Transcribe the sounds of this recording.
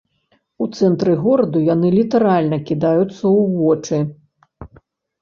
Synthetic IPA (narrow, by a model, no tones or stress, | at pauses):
ut̪sɛnt̪ɾɨɣɔɾɐd̪ujanɨlʲit̪ɐɾalʲnɐkʲid̪ajut̪sːɐuvɔt͡ʂɨ